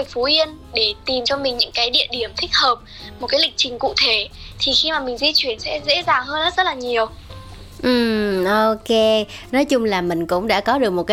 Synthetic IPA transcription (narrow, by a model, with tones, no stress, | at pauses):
fu˨˦ʔi˧ən | ɗe˧˩t̪i˨˩mt͡ɕɔ˧mï˨˩ŋ̟ɲɨ̰˧˥ŋkaː˨˦jɗḭ˧˨əɗi˧˩əmt̪ʰï˦˥k̚həː˨˩p̚ | mo˨˩t̚kaː˨˦lï˨˩k̟̚t͡ɕï˨˩ŋ̟kṵ˧˨t̪ʰe˧˩t̪ʰi˨˩xi˧maː˨˩mï˨˩ŋ̟zi˧t͡ɕwi˧˩ənsɛ̰˧˥zḛ˧˥zaː˨˩ŋhəː˧nzə˦˥t̚zə˦˥t̚laː˨˩ɲi˨˩əw | ʔɨ˨˩mʔo˧ke˧nɔ˨˦jt͡ɕʊ˧ŋ͡mlaː˨˩mï˨˩ŋ̟kʊ̰˧˥ŋ͡mɗa̰ː˧˥kɔ˨˦ɗɨ˨˩ək̚mo˨˩t̚kːa˨˦